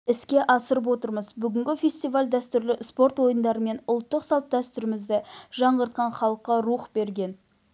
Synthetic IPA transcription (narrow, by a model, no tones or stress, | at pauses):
ɪskʲe̞ʔɑsəɾəp̬wo̞t̪əɾməzbʏɡʲɪŋɡʲɪfʲe̞st̪ijvalʲd̪æst̪ʏɾlɪspo̞ɾt̪wo̞jənd̪ɑɾəme̞nʊlˠt̪ːəqsɑlˠt̪̚d̪æst̪ʏɾɪmɪzd̪ɪʒɑɴʁəɾt̪̚qɑnχɑlˠəqːɑɾuχbe̞ɾɡʲe̞n